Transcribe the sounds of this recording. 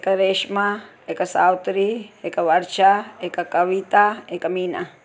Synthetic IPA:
ekaɾeːʃma | ekasawt̪ɾiekaʋɐɾʃaekakɐʋit̪aekamiːna

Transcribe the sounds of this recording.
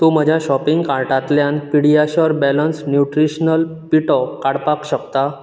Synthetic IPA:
t̪um̤əd͡ʑʱjaɕɔpiŋɡkaɾʈat̪ljanpiɽ̤ijaɕɔɾbɛlənsnjuʈɾiɕnəlpiʈɔkaɽpakɕəkt̪a

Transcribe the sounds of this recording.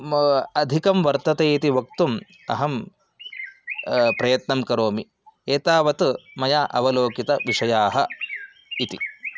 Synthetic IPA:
ɐd̪ʱikɐmʋɐɾt̪ɐt̪eːit̪iʋɐk̚t̪um | ɐ̰ɦɐm | pɾɐjɐt̪nɐmkɐɾoːmi | eːt̪aːʋɐt̪mɐjaːʔɐʋɐloːkit̪ɐʋiʂɐjaːɦɐ | it̪ḭ

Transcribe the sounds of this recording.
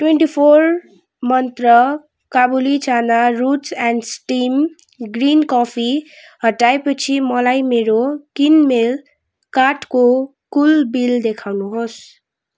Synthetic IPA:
ʈweɳʈipʰor | mʌnt̪rʌ | kabulit͡sʰanaɾut͡sanɖsʈim | ɡrinkɔpʰi | ɦʌʈaepʌt͡sʰimʌlajmeɾokinmel | kaʈko | kulbild̪ekʰawnuɦos

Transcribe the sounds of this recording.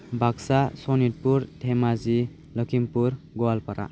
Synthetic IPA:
bʱaksasɔnit̚puɾtʰemazi | lɔkʰimpuɾ | ɡɔalpaɾa̰

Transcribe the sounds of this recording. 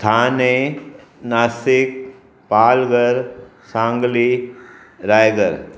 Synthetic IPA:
t̪ʰaːne | naːsɪk̚ | paːlɡəɾ | sãːŋɡli | ɾaːjɡəɾ

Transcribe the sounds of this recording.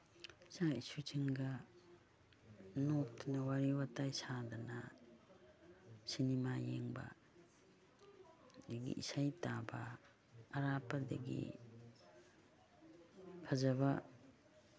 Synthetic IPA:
saisut͡ʃiŋɡɐ | notʰnɐwaɾiwatajsadɐnɐ | sinimajeŋbɐ̰ | deɡḭʔisajtabɐː | ɾapɐdɐ̰ɡḭ | pʰɐzɐbɐ

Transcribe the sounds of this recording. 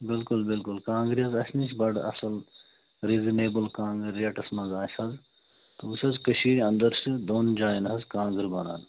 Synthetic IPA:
bɪlkʊlbɪlkʊlkãːŋɡɾiɐzɐsʲnisbɐɖɐ̰sɐl | ɾiːzineːbɨlkãːŋɡɨɾɐʈɐsmɐnzaːsɐz | t̪uusʲɐzkɐʃiːɾɐ̃nd̪ɐɾsɨd̪oːnd͡ʒaːjinɦɐzkãːŋɡɨɾbɐna̰ːn

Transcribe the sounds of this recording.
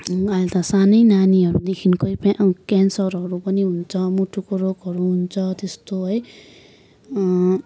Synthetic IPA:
ajlt̪ʌsanʌjnaniɦʌɾud̪ekʰinkojpkansʌrɦʌɾupʌniɦunt͡sʰʌmuʈʰːukoroɡʌɾuɦunt͡sʰʌt̪est̪oɦʌj

